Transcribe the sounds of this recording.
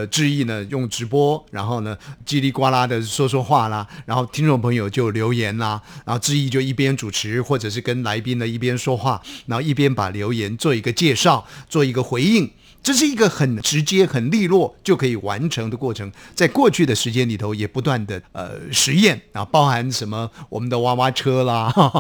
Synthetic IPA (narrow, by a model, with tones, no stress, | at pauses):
ʈ͡ʂɻ̩˥˧i˥˩nə˩jʊ˥˩ŋʈ͡ʂɻ̩˧˥pwɔ˥ɻa˧˥nxo˥˩ʊnə˩t͡ɕi˥li˥˩kwa˥la˥d̪ə˨ʂwɔ˥ʂwɔ˥xwa˥˩lɐ˩ɻa˧˥nxo˥˩ʊt̪ʰi˥ŋʈ͡ʂʊ˥ŋpʰɤ˧˥ŋjo˨˩ʊt͡ɕjo˥˩ʊljo˧˥ʊjɛ˧˥nlɐ˧na˧˥nxo˥˧ʊʈ͡ʂɻ̩˥˧i˥˧t͡ɕjo˥˧ʊi˥˩pjɛ˥nʈ͡ʂu˨˩ʈ͡ʂʰɻ̩˧˥xwɔ˥˩ʈ͡ʂɤ˨˩ʂ̬ɻ̩˥˩kə˥nla˧˥ɪpi˥ŋd̪ə˨i˥˩pjɛ˥nʂwɔ˥xwa˥˩˨nxo˥˧ʊi˥˩p̬jɛ˥npa̰˨˩ljo˧˥ʊjɛ˧˥nt͡swɔ˥˩i˧˥ɡə˧t͡ɕjɛ˥˧ʂɑ˥˩ʊt͡swɔ˥˩i˧˥ɡə˧xwe˧˥ɪi˥˩ŋ | ʈ͡ʂɤ˥˧ʂ̬ɻ̩˥˩i˧˥ɡə˧xə˨˩nʈ͡ʂɻ̩˧˥t͡ɕjɛ˥xə˨˩nli˥˧lwɔ˥˩t͡ɕjo˥˩ʊkʰɤ˧˥i˨˩wa̰˧˥nʈ͡ʂʰɤ˧˥ŋd̪ə˧kwɔ˥˩ʈ͡ʂʰɤ˧˥ŋt͡sa˥˧ɪkwɔ˥˧t͡ɕʰy˥˩d̪ə˩ʂɻ̩˧˥t͡ɕjɛ˥nli˨˩t̪ʰo˧˥ʊjɛ˨˩pu˧˥t̪wa˥˩nd̪ə˩ə̰˧ʂɻ̩˧˥jɛ˥˩n˧˩pɑ˥ʊxa˧˥nʂə˧˥nmə˧wɔ˨˩mə˦nd̪ə˧wa˥wa˥ʈ͡ʂʰɤ˥lə˨